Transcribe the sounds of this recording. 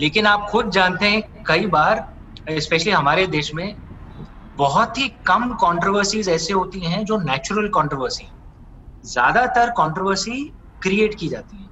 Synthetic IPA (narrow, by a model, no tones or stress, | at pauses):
leːkɪnaːpxʊd̪̚d͡ʒaːnt̪eɦɛ̃kɐibaːɾ | ɪspɛːʃəliɦɐmaːɾed̪eːʃmẽ | bɐɦʊt̪ɦikɐmkɔ̃ːɳʈɾoːʋəɾsiːzɛːseɦoːt̪iɦɛ̃d͡ʒoːnɛːt͡ʃʊɾəlkɔ̃ːɳʈɾoʋəɾsiɦɛ̃ | zja̰ːd̪at̪əɾkɔːɳʈɾoʋəɾsi | kɾieːʈkid͡ʒaːt̪iɦɛ̃ː